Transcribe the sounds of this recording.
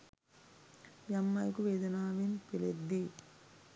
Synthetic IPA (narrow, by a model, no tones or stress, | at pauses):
jɐmːɐjkuʋeːd̪unaːʋinpiled̪ːi